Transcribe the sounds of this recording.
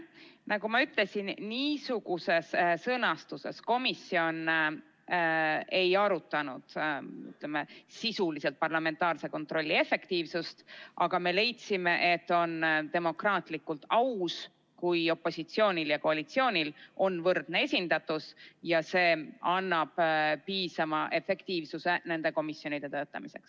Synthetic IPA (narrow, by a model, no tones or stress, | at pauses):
nɑɡumɑyt̪ˑle̞sinːiːsuɡ̥use̞ssɤnɑst̪use̞̰sko̞misio̞n | e̞jɑɾut̪ˑːɑnṵd̪̥y̰t̪ˑlemesisuliselt̪̚pɑrlɑme̞nt̪ːˑɑːrse̞ko̞nt̪ro̞lʲːie̞fe̞kt̪iːvsust̪ʔɑɡ̥ɑme̞le̞jt̪sime̞ʔet̪ːo̞nt̪e̞mo̞krɑːt̪likːult̪ɑws | kujo̞pːˑo̞sit̪sio̞ːnʲiljɑko̞ɑlit̪sio̞ːnʲilʔo̞nvɤrd̪̥ne̞e̞sʲind̪̥ɑt̪ːˑusjɑse̞ːɑnːɑb̥piːsɑmɑʔe̞fe̞kt̪iːvsuse̞ne̞nd̪e̞ko̞misːjo̞nid̪e̞t̪ø̞ːt̪ːˑɑ̰mise̞̰ks